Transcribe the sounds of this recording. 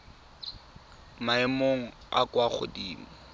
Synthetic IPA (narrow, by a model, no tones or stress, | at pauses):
maɛmoŋ̩a̰kwaχʊ̰diːm̩